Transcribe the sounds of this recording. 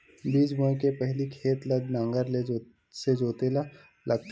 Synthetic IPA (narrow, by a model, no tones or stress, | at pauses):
biːd͡ʒbõẽkepɛɦlikʰeːt̪lɐd̪nɐ̃ŋɡəɾle | sed͡ʒoːt̪ela | lʔɐɡt̪